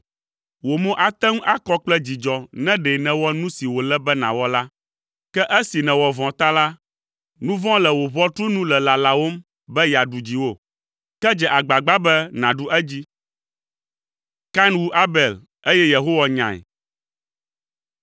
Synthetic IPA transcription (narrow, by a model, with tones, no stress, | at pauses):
wo˨mõ˦ʔa˨t̪ɛ̃˦ŋ˦ʔa˦kɔ˦k͡plɛ˦d͡ʑi˨d͡ʒɔ˨nɛ̃˦ɖɛ˨nɛ̃˨wɔ˦nũ˦si˨wo˨lɛ˦bɛ˦nã̰˨wɔ˦la˦ | kɛ˦ʔɛ˦si˨nɛ̃˨wɔ˨vɔ̃˨t̪a˦la˦ | nũ˦vɔ̃˦lɛ˨wo˨βɔ̃˦t̪ɾu˦nũ˦lɛ˨la˨la˨wo˦m | bɛ˦ja˨ɖu˨d͡ʑi˨wo˦˨ | kɛ˦d͡ʒɛ˨ʔa˨ɡ͡ba˨ɡ͡ba˦bɛ˦nã˨ɖu˦ʔɛ˦d͡ʑi˦ | ka˦nwu˦ʔa˦bɛ˨l | e˦jɛ˦je˨ɦo˦wa˨ɲã̰˨ɛ̰˨